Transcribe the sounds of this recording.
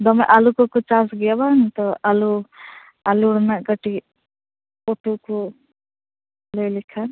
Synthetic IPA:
d̪ʌmaʔalukokut͡ʃasɡjabant̪ɔʔalu | aluɾnaɡʌʈi | oʈuku | lojlikʰan

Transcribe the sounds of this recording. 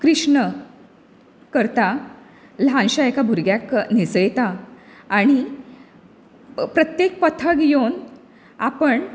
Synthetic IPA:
kɾiʂɳə | kəɾt̪a | lɦãnɕaekabʱuɾɡjaknesəjt̪aː | ɽ̃i | pɾət̪jek̚pət̪ʰəɡjon | apəɳ

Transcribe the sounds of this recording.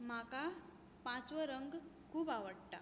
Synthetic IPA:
m̤aka | pãt͡sʋəɾəŋɡkʰuːbaʋəɽʈ̪a

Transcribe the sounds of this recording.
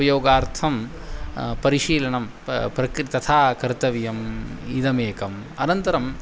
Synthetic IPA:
ɐjoːɡaːɾt̪ʰɐm | pɐɾiʂiːlɐɳɐm | pɾɐkɾit̪ɐt̪ʰaːkɐɾt̪ɐʋijɐmid̪ɐmeːkɐmɐnɐnt̪ɐɾɐm

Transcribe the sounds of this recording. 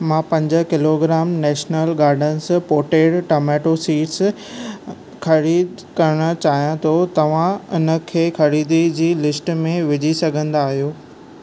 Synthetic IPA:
mãːpɐ̃ɲd͡ʑə̆kɪloːɡɾaːmnɛːʃnəlɡaːɾɖənspoːʈeːɖʈoːmɛːʈosiːʈs | kʰɐɾiːd̪ | kɐɾəɽ̃ə̆t͡ɕaːɦijãt̪ʰot̪ɐʋ̤ãʊnə̆kʰeːxɐɾiːd̪id͡ʑiːlɪsʈmẽʋɪd͡ʑʱisɐɡʱə̃nd̪aːɦijoː

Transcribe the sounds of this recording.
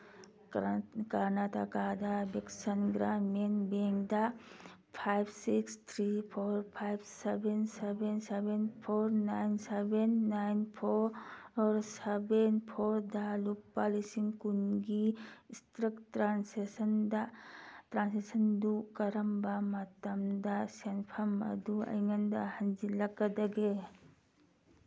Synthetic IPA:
kɐɾnaːt̪akaːd̪abɐksənɡɾaːmenbeːŋɡd̪a | pʰajbsikst̪ʰɾipʰoːɾpʰajbsebensebensebenpʰoɾnaːɪnsebenːajnpʰoɾɔːɾsebenpʰɔɾdaluk̚pːalisiŋkunɡiistɾək̚tɾansesəndatɾansesəndukɐɾəmbamatɐmdasenpʰɐmɐ̰duɐ̰jŋandahɐnd͡ʒilakad̪aɡe

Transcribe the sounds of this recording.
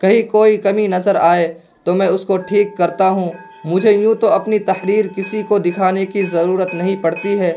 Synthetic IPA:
kɐɦĩkoːikɐminɐzəɾaːe | t̪omɛ̃ːʊskoʈʰiːkːɐɾt̪aɦũ | mʊd͡ʒʱejũːt̪oɐpnit̪ɐxɾiːɾkɪsikod̪ɪkʰaːnekizɐɾuːɾət̪nɐɦĩpɐɽt̪iɦɛː

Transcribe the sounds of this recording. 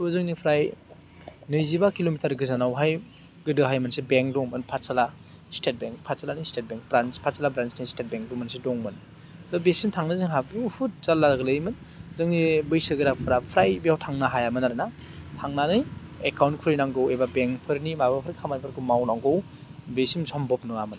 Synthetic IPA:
zɯŋnipʰɾaj | nɯjzibakilomitɐɾɡɯzanawɦaj | ɡɯdɯɦajmɯnsebeŋk̚dɔŋmɯnpʰasala | stet̚beŋk̚pʰasalanɯjstet̚beŋk̚bɾanspʰasalabɾansnijstet̚beŋk̚dɔŋmɯnsidɔŋmɯn | dɔbesimtʰaŋnɯzɯŋɦabihʰut̚zalːaɡɯlɯjmɯn | zɯŋnibɯjsɯɡɯɾapʰɯɾapʰɾajbijawtʰaŋnaɦajamɯnaɾɯna | tʰaŋnanɯjekawnt̚kʰuɾɯjnaŋɡɯwebabeŋpʰɯɾnimabapʰɾkʰamajpʰɯɾkʰɯmawnaŋɡɯw | besimsʰɔmbɔp̚nɯamɯn

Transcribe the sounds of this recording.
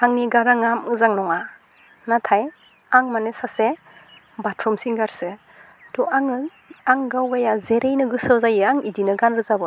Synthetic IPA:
aŋniɡaɾaŋamɯzaŋnɔŋa | natʰaj | aŋmanesase | batʰɾɔmsiŋɡaɾsɯ | tɔaŋɯ | aŋɡawɡajazeɾʔejnɯɡɯsɯzajɯaŋidinɯɡanɾɯzabɯ

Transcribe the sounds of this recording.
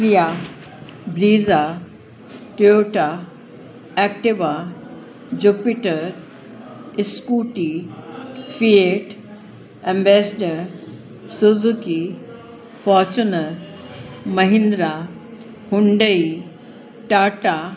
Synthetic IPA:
kɾija | bɾiːza | ʈioːʈa | ɛːk̚ʈɪʋa | d͡ʑupiʈəɾ | ɪskuːʈi | fieʈ | ɛ̃mbɛːsɖəɾ | suzuki | fɔːɾt͡ɕunə | mɐɦɪ̃nd̪ɾa | hʊɳɖəi | ʈaːʈa

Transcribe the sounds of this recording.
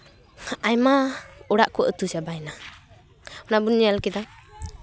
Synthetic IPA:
ajmaɔɽaʔkɔʔət̪usabajna | ɔnabunialkid̪a

